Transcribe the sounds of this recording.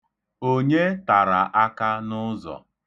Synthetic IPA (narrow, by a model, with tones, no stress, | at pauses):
o˦ɲe˦ta˨ɾa˨ʔa˦ka˦nʊ˦zɔ̰˨